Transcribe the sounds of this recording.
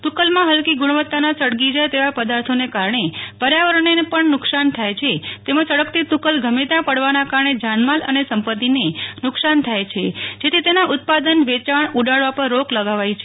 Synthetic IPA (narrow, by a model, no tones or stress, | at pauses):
t̪ukəlmãɦəlkiɡʊɽ̃ʋət̪ːanasəɽɡid͡ʒajt̪eʋapəd̪aɾt̪ʰonekaɾɳepəɾjaʋəɾəɳenepəɳnʊksant̪ʰajt͡ʃʰet̪emãt͡ʃəɽəkt̪it̪ukəlɡʱəmet̪apəɽʋanakaɾəɳed͡ʒanmalə̰nesəmpət̪ːinenʊksant̪ʰajt͡ʃʰed͡ʒet̪ʰit̪enaʔʊt̪̚pad̪ənʋet͡ʃaɳuɖaɭʋapəɾːokləɡaʋajt͡ʃʰe